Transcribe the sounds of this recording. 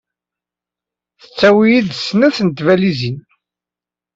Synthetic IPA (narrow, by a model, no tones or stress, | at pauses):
θət͡sːæwijid̪snuθənt̪vælizin